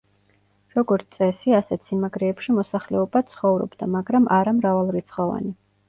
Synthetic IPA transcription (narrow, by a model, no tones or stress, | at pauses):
ɾɔɡɔɾt̪ʼɛsiasɛt̪sʰinmaɡɾɛːpʃimɔsaχlɛɔbat̪sʰχɔvɾɔ̰bd̪amaɡɾamʔaɾamɾavalˠɾit̪sʰχɔva̰ni